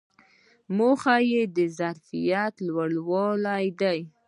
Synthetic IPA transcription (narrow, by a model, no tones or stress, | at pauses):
moxajed̪əzaɾfijat̪lwaɽwɑlajd̪aj